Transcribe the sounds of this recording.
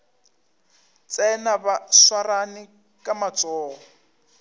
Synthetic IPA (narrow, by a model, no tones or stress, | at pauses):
t͡sʼɛnabaswaranɪ | kʼamat͡sʼɔːɔ